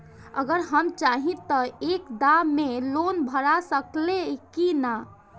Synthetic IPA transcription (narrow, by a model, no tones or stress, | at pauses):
ə̰ɡəɾɦəmt͡ʃaɦĩt̪əekd̪amelonbʱəɾasəklekina